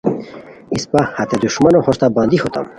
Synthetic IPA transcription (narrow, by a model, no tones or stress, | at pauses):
ispahat̪ed̪uʃmanohɔʃt̪aband̪ihot̪a̰m